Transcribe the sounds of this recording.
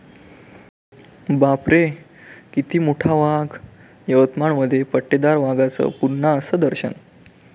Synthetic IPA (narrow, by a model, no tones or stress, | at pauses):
bapɾe | kit̪iːmuʈʰaʋaɡ | jəʋət̪maɳməd̪ʱːjepəʈːed̪aɾʋaɡat͡sə̰ːpuɾɳaəsəd̪əɾɕə̰n